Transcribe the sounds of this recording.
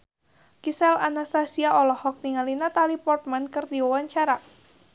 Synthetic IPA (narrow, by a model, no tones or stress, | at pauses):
kisɛlanast̪asiaɔlɔhɔk̚niŋalinat̪alipɔrt̪̚mankɨrd̪iwawaɲt͡ʃaɾa